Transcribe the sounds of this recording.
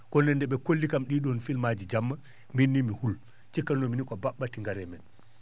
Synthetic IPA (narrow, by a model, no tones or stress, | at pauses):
kɔndɛndɛɓɛkolːikamɗiːɗɔnfilmaːd͡ʒid͡ʒamːa | minːimihul | t͡ʃikːannɔminikɔbaɓːatiŋɡaɾɛmɛn